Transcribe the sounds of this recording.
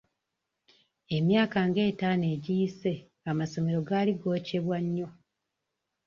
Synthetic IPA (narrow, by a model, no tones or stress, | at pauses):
e̞mjaːkaŋɡe̞ːtane̞ːɟiise̞ | amaso̞me̞ɾo̞ɡaliɡo̞ːce̞βwaɲːo̞